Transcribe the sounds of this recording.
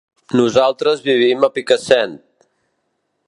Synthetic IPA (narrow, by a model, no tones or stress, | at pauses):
nuzalˠt̪ɾəzβiβ̞iməpikəsɛnt̪̚